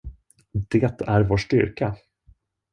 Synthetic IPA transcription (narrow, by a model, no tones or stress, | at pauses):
d̪ɛːt̪æɾvoːʂʈʏ̰ɾka